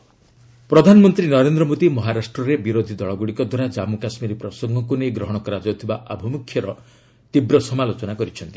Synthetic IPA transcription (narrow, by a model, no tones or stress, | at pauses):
pɾɔd̪ʱanɔmɔnt̪ɾinɔɾend̪ɾɔmod̪imɔɦaɾasʈɾɔɾebiɾod̪ʱid̪ɔɭɔɡuɽikɔd̪waɾad͡ʒamukasmiɾipɾɔsɔŋɡɔkunejɡɾɔɦɔɽ̃ɔkɔɾad͡ʒɔt̪ʰibaʔabʱɔmukʰjɔɾɔ | t̪ibɾɔsɔmalot͡ʃɔnakɔɾit͡ʃʰɔnt̪i̥